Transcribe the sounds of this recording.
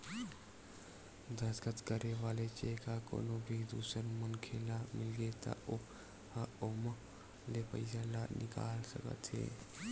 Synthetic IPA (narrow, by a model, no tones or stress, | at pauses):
d̪əsɡət̪kəɾeʋaːlet͡ʃekako̰ːnobʱid̪uːsəɾmənkʰelamɪlɡet̪a̰o | haomə | lepə̰ɪsalanʔɪka̰ːlsəkə̰t̪ʰɦḛː